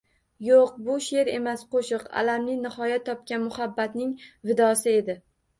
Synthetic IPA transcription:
joq̚bʊʃe̞ɾe̞̰masqʰoʃɨqa̰lamnɪnɪhɒjat̪ʰːɒp̚kʲanmʊhabːat̪nɪŋvɪd̪ɒsɪe̞d̪ɪ

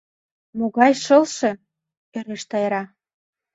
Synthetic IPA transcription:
moɣɑjʃɤ̆lʃĕ | eɾeʃt̪ɑjeɾɑ

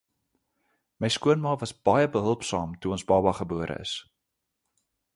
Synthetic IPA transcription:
məjskuənmɑːvɐsb̥ɐjəbəɦəlˠpsɑːmtuɔnsbɑːbɑχəbuəɾʔə̰ə̰s

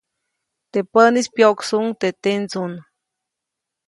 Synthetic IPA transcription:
t̪epənispjoksuŋt̪et̪ent͡sun

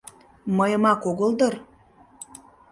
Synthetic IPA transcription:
məjəmɑkoɣəld̪ɤr

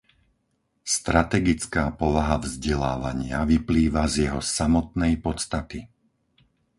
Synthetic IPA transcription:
st̪ɾat̪ɛɡit͡skaːpɔʋaɦavzɟɛlaːʋa̰ɲɪaʋipliːʋazjɛɦɔsamɔt̪nɛjpɔt͡st̪at̪i

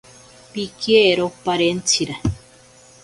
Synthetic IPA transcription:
pikeɾopaɾent͡sʰiɾa

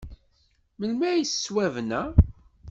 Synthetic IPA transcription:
məlmæisswævnæ

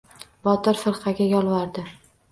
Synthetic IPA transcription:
bɒt̪ɪɾfɪɾqɑɡʲajɒlˠvaɾd̪ɪ

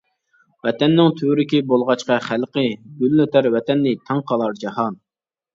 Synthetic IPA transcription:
wɛt̪ʰɛnːɪŋt̪ʰyɾɪkʲibolˠʁɑt͡ʃqɑχælqəɡʲylnøt̪ʰæɾwɛt̪ʰɛnːɪt̪ʰɑŋqʰɑlˠɑɾd͡ʒɑɦɑn

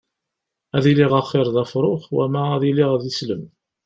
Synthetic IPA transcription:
æðiliʁɑχːɪɾˤðæfɾˤoχwæ̰mæːðiliʁðisləm

